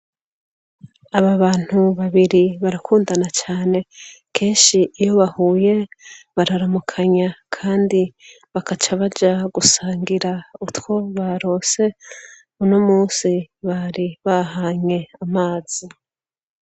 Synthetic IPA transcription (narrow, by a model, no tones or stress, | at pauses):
aβaβaːn̥huβaβiɾiβaɾakʰuːndanat͡ʃaːne̞kʰe̞ːnʃiːjo̞βahuːje̞βaɾaɾamukʰaɲakʰaːndi | βakat͡ʃaβad͡ʒaɡusaːŋɡiɾautwo̞βaɾo̞ːse̞ | unomuːsiβaɾiβahaːɲe̞amaːz̥i